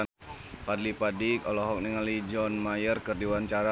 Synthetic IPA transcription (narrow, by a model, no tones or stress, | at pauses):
kadlipadikɔlɔɦɔk̚niŋalid͡ʒɔnmajərkərdiwaɲt͡ʃaɾa